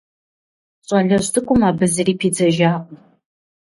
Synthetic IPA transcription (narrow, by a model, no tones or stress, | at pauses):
ɕʼɐɮɐɕtʰɨkʷʼʊmaːbɨzɨriːpʰiːd͡zɐʒaːqʷ